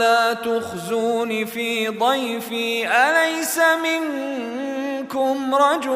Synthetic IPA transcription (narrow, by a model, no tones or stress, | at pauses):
laːt̪ʊxzuːnifiːd̪ˤɑjfiːʔalajsamɪŋ | kʊmɾˤɑd͡ʒʊ